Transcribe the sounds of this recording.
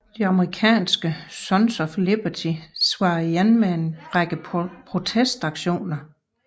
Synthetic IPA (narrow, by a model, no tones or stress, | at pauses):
d̥iɑ̈məʁikʰɛ̰ːnsɡ̥əsɒ̽nsɒfleb̥ɐt͡sʰisʋɑ̈ːjenmeenʁaɡ̥əpʰʁo̝t͡sʰesd̥ɑ̈ɡ̥ɕo̝̰ːnɐ